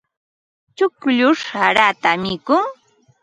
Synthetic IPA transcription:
t͡ʃʊkʎʊʂaɾat̪amɪkʊŋ

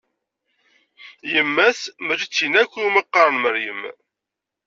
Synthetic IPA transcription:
jəmːæθməɾit͡sːinækʷːuməqːɑɾˤənməɾjə̰m

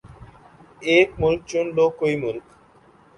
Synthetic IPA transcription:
ek̚mulk̚t͡ʃunlokːojmulk

